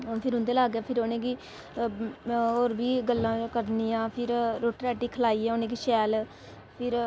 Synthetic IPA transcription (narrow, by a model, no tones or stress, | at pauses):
pʰɪɾɦʊ̃nd̪eːlaːɡaːpʰɪɾoːnẽːɡiː | oːɾbiːɡəlːãːkəɾniːjãːpʰɪɾɾoːʈɾɛːʈiːkʰəlaːiːɛ̃ːoːneːɡiːʃɛːl | pʰɪɾ